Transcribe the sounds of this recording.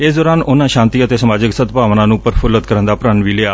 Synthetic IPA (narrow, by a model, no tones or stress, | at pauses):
ɪːsd̪ɔːɾaːnʊnãːʃãːnt̪iːət̪eːsəmaːd͡ʒɪksət̪paːʋnãːnũːpəɾpʰʊlət̪kəɾənd̪aːpɾənʋiːlɪaː